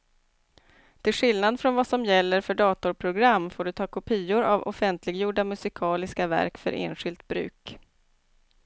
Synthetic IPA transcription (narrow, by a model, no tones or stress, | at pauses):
t̪ʰɪlɧɪlnad̪fɾɔnvasɔmjɛlːəɾfœɖɑːt̪ʊɾpʰɾʊɡɾamːfoːɖɵt̪ʰɑːkʰʊpʰiːʊɾa̰vɔ̰fɛnt̪ʰlɪɡjuːɖamɵsɪkʰɑːlɪskavæ̰ɾkfœ̰ɾʔḛːnɧɪlt̪̚bɾʉ̟̰ːk